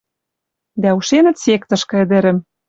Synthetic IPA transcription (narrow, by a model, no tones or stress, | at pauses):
d̪æuʃenɘ̆t̪sek̚t̪ɤ̆ʃkɤ̆ɘ̆d̪ɘ̆ɾɘ̆m